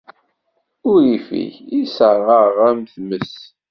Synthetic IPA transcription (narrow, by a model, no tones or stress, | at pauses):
ʊɾifḭçisəʁəʁæmθməs